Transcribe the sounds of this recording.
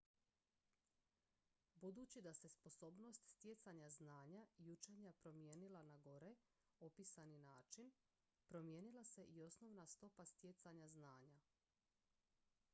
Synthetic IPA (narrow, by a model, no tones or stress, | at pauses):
bud̪uːt͡ɕid̪ase̞spo̞so̞bno̞st̪st̪jet̪saɲaznaːɲaijut͡ʃeɲapɾo̞mje̞ːnilanaɡo̞ɾe̞ | o̞piːsaninaːt͡ʃin | pɾo̞mje̞ːnilˠase̞ʔio̞sno̞ʋnast̪o̞past̪je̞t̪saɲaznaːɲa